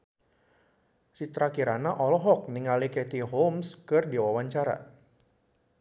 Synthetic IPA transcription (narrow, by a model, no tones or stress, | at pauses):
sit̪ɾakiɾanaʔɔlɔɦɔk̚niŋalikɛt̪iɦomskɨrdiwawaɲt͡ʃaɾa̰